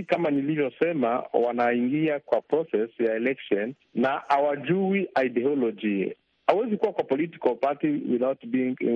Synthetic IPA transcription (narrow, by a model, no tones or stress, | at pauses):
kamanilivjɔsɛma̰wanaiŋɡiakwapɾɔsɛsjaɛlɛkʃɔnː | aawad͡ʒuiʔaidɛɔlɔd͡ʒḭ | awɛzikuwakwapɔliti̥kalpatiwiðawtbiiŋ